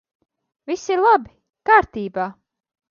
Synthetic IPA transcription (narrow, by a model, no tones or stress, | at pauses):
visiɾlˠabi | kaːɾt̪iːbaː